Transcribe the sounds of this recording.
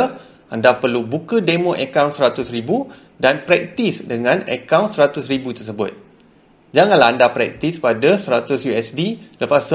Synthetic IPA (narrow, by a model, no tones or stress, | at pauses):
ʔandapərlubukədemõʔɛkawnsəɾat̪ʊsɾibu | danpɾɛk̚t̪isdəŋãnə̰kawnsəɾat̪ʊsribut̪ərsəbʊt̪̚ | d͡ʒaŋanlaandapɾɛk̚t̪ispadasəɾat̪ʊsjuɛsdiləpasə